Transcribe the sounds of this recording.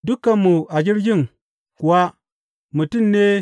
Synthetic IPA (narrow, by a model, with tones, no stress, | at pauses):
du˦kːa˨mu˨a˨d͡ʒi˦ɾd͡ʒi˦ŋ | ku˨wa˦ | mu˨ti˦nːe˦